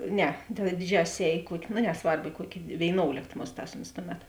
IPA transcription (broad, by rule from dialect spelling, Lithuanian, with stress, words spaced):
ˈnʲɛ tɐ ˈdʲɪˌd͡ʒʲæːsʲɪs ˈɛːj ɪ ˈkuɔkʲ noː nʲɛˈsʋɐrp ɪ ˈkuɔkʲ ʋʲeːɪˈnoːʊlʲeːkt ˈmʊsˌtɑːs oːns ˈtʊˌmʲɛt